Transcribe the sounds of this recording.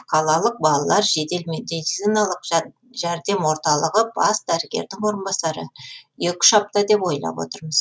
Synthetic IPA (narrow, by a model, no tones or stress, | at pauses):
qʰɑlˠɑlˠəq̚bɑlˠɑlˠɑɾʒe̞t̪e̞lme̞d̪it̪sinɑlˠəq | ʒæɾd̪e̞mwo̞ɾt̪ɑlˠəʁəbɑsd̪æɾɪɡʲe̞̰ɾd̪ɪŋwo̞ɾənbɑsɑɾəjekʲɪ̥ʃɑp̚t̪ɑd̪e̞pwo̞jlˠɑ̰pwo̞̰t̪əɾməz̥